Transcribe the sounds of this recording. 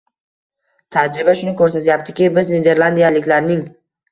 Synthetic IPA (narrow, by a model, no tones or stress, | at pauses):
t̪ʰad͡ʒɾɪbaʃʊnɪkʰɵɾsat̪ʰajap̚t̪ʰɪ̥kʲɪbɪzned̪e̞ɾlˠand̪ijalɪkʲlaɾnɪŋ